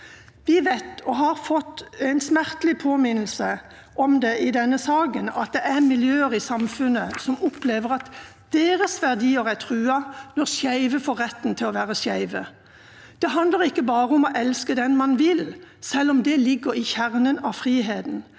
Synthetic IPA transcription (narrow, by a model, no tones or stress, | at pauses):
ʋɪʋæɪt̪ɔɦɑʁfɔt̪ːɛɪnsmæʁt̪lɪpʰoːmɪnl̩sə | ʔɔmd̪ɛʔɪd̪ɛnːəsɑːɡənɑt̪̚d̪ɛʔæʁmɪljøːəʁɪsɑmfʉnəsɔmʊpleːʋəʁɑt̪ | d̪̥eːɾəsʋæʁd̪iːəʁæt̪ʰʁʉːɑnɔʁsjæɪʋəfoːʁːɛt̪ːn̩t̪ʰɪlɔʋæːʁəsjæɪʋə | d̪̥ɛɦɑnd̪ləʁɪkːəbɑːʁəɔmɔʔɛlskəd̪ɛnmɑnʋɪlsɛlːɔmd̪ɛlɪɡːəɾɪçæʁnənɑfɾiːɦeːd̪n̩